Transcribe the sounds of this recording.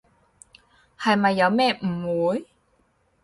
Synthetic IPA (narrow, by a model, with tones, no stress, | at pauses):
hɐ˨jmɐ˨jːɐ˨˧wmɛː˥˩m̩˨˩wuː˨˥j